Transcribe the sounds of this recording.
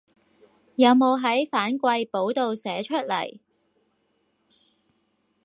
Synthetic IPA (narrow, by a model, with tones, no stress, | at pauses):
jɐ˨˧wmo˨˧wɦɐ˨˥jfaː˨˥nkʷɐ˧jpo˨˥wt̪o˨wsɛː˨˥t͡ʃʰɵ˥t̚lɐ̰˨˩j